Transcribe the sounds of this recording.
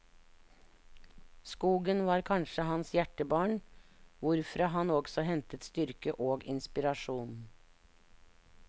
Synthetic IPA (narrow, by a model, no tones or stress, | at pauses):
skuːɡənʋɑːɾkʰɑnʃəhɑnsjæʈəbɑːɳʋʊɾfɾɑːɦɑnoːɡsɔhɛnt̪ət̪st̪ʏɾkəʔoːɡɪ̰nspɪɾɑʃuːn̩